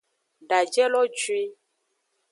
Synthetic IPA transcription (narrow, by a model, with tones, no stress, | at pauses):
ɖa˨d͡ʒɛ˦lɔ˦t͡ʃwi˦